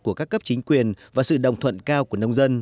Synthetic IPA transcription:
ku˧˩əkaː˦˥kːə˦˥p̚t͡ɕï˨˦ŋ̟kwi˨˩ənvaː˨˩sɨ̰˧˨ɗə̰˨wŋ͡mt̪ʰwə̰˧˨nkaː˧wku˧˩ənə˧wŋ͡mzə˧n

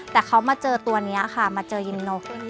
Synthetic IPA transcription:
t̪ɛː˨˩kʰa˦˥wmaː˧t͡ɕɤː˧t̪u˧ɐni˦˥ɐkʰa˥˩maː˧t͡ɕɤː˧ji˧nno˧˩k̚

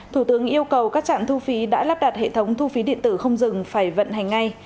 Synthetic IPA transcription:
t̪ʰu˧˩t̪ɨ˨˦əŋʔi˧əwkə˨˩wkaː˦˥k̚t͡ɕa̰ː˧˨nt̪ʰu˧fi˨˦ɗa̰ː˧˥laː˦˥p̚ɗaː˨˩t̚hḛ˧˨t̪ʰə˨˦wŋ͡mt̪ʰu˧fi˨˦ɗḭ˧˨ənt̪ɨ˧˩xə˧wŋ͡mzɨ˨˩ŋfaː˧˩jvə̰˧˨nha˨˩jŋ̟ːa˧j

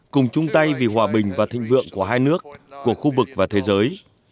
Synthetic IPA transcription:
kʊ˨˩ŋ͡mt͡ɕʊ˧ŋ͡mt̪a˧jvi˨˩ɦwaː˨˩ɓï˨˩ŋ̟vaː˨˩t̪ʰḭ̈˧˨ŋ̟vɨ̰˧˨əŋku˧˩əɦaː˧jnɨ˦˥ək̚ːu˧˩əxu˧vɨ˨˩k̚vaː˨˩t̪ʰe˨˦zəː˨˦j

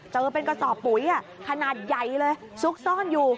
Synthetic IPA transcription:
t͡ɕɤː˧pe˧nkɔ˧sɔː˨˩p̚ːu˨˩˦jʔaː˧˩kʰa˧naː˨˩t̪̚ja˨˩jlɤː˧j | su˦˥k̚sɔː˥˩njuː˨˩

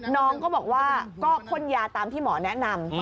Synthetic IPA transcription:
nɔː˦˥ŋkɔː˥˩bɔː˨˩k̚waː˥˩kɔː˥˩kʰo˦˥˩njaː˧t̪aː˧mt̪ʰiː˥˩mɔː˩˦nɛ˦˥ʔna˧m

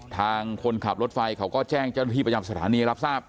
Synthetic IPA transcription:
t̪ʰaː˧ŋkʰo˧nkʰa˨˩p̚ɾo˦˥t̪̚fa˧jkʰa˦˥wkɔː˥˩t͡ɕɛː˥˩ŋt͡ɕa˥˩na˥t̪ʰiː˥˩pɾa˧ja˧˩sa˧t̪ʰaː˩˦niː˧ɾa˦˥p̚saː˥˩p̚

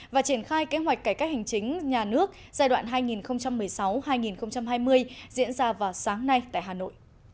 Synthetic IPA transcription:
vaː˨˩t͡ɕi˧˩ənxaː˧jke˧hwa˨˩jk̟̚kːaː˧˩jkaː˦˥k̚hɦa˨˩ŋ̟t͡ɕï˨˦ŋ̟ɲaː˨˩nɨ˦˥ək̚zaː˧jɗwa̰ː˧˨nɦaː˧jŋi˨˩nxə˧wŋ͡mt͡ɕa˧mːɨ˨˩əjsa˨˦whaː˧jŋi˨˩nxə˧wŋ͡mt͡ɕa˧mɦaː˧jmɨ˧əjzḭ˧˥ənzaː˧vaː˨˩wsaː˨˦ŋna˧jt̪a̰ː˧˨jɦaː˨˩no̰˧˨jʔ

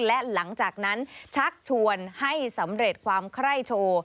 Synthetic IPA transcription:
lɛ˦˥la˩˦ŋt͡ɕaː˨˩k̚na˦˥nt͡ɕʰa˦˥k̚t͡ɕʰu˧ənha˥˩jsa˩˦mɾe˨˩t̪̚kʰwaː˧mkʰɾa˥˩jt͡ɕʰoː˧

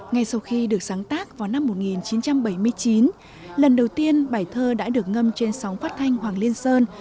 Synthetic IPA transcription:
ŋa˧jsa˧wxi˧ɗɨ˨˩ək̚zaː˨˦ŋt̪aː˦˥k̚vaː˨˩wna˧mːo˨˩t̚ŋi˨˩nt͡ɕi˨˦nt͡ɕa˧mɓə˧˩jmɨ˧əjt͡ɕi˨˦n | lə˨˩nɗə˨˩wt̪i˧ənɓaː˧˩jt̪ʰəː˧ɗa̰ː˧˥ɗɨ˨˩ək̚ŋə˧mt͡ɕe˧nsɔ˨˦wŋ͡mfaː˦˥t̚t̪ʰa˧jŋ̟hwaː˨˩ŋli˧ənsəː˧n

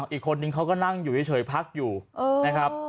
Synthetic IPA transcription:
ŋʔiː˨˩kʰːo˧nːɯ˧ŋkʰa˦˥wkɔː˥˩na˥˩ŋjuː˨˩iː˥˩t͡ɕʰɤː˨˦jpʰa˦˥k̚juː˨˩ʔɤː˧na˦˥kʰɾa˦˥p̚

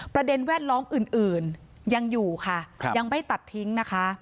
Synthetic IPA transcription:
pɾa˧de˧nwɛː˥˩t̪̚lɔː˦˥mʔɯː˨˩nʔɯː˨˩n | ja˧ŋjuː˨˩kʰa˥˩ja˧ŋma˥˩jt̪a˨˩t̪ʰːi˦˥ŋna˦˥kʰa˦˥ʔ

